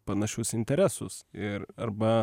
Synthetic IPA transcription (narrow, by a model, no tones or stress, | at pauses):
pɐnɐʃʲʊsɪnʲt̪ʲɛɾʲæsʊsɪɾɐrbɐ